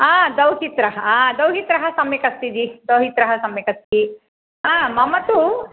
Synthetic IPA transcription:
aːd̪ɐwɦit̪ɾɐɦɐaːd̪ɐwɦit̪ɾɐɦɐsɐmjɐkɐst̪id̪id̪ɐwɦit̪ɾɐɦɐsɐmjɐkɐst̪id̪i | ãːmɐmːɐt̪u

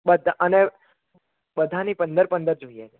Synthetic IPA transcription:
ɓəd̪ʱəne | ɓəd̪ʱanipənd̪əɾpənd̪əɾd͡ʒoijat͡ʃʰe

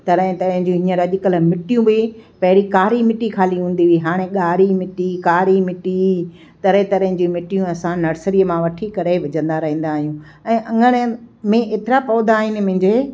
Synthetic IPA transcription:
t̪ɐɾəɦẽt̪ɐɾɦɪ̃ɲd͡ʑĩɦĩəɾɐʄɪkəlmɪʈijũbɪpɐɦɪɽikaːɾimɪʈikʰaːliɦũːn̆d̪iʋiɦaːɽ̃eɠaːɾimɪʈikaːɾimɪʈi | t̪ɐɾẽt̪ɐɾə̃ɦɪ̃d͡ʑimɪʈijũɐsãnɐɾsəɾiəmãʋɐʈʰikɐɾeʋɐd͡ʑə̃nd̪aɾɐɦĩːn̆d̪aːɦijũ | ɛ̃ːʔɐ̃ŋɡəɽ̃mẽʔeːt̪ɪɾapɔːd̪aːɦɪnɪ̆mʊ̃ɦɪ̃ɲd͡ʑeː

